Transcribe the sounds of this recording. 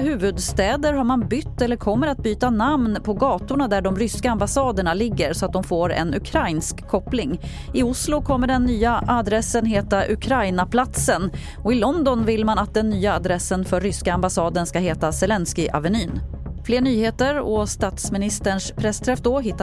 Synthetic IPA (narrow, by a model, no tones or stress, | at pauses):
ɦʉ̟ːvɵd̪st̪ɛːd̪əɾɦaɾmanbʏt̪ːɛlːəɾkʰɔmːəɾat̪̚byːt̪anamnpʰɔɡɑːt̪ʊɳad̪æɖɔmɾʏskaambasɑːd̪əɳalɪɡːəɾsɔat̪̚d̪ɔmfoːɾɛ̰nɵkʰɾajnskʰːɔplɪŋɪʊslʊkʰɔmːəɖɛnːyːaʔad̪ɾɛsːənɦeːt̪aʔɵ̰kʰɾajnapʰlat̪sən | ɔɪlɔnd̪ɔnvɪlmanat̪̚d̪ɛnːyːaːd̪ɾɛsːənfœɾːʏskaambasɑːd̪ənskaheːt̪asɛlɛnskɪʔa̰vɛnyːnfleːɳyːheːt̪əɾɔst̪ɑːt̪smɪnɪst̪əɳʂpʰɾɛst̪ʰɾɛfd̪ɔɦɪt̪ː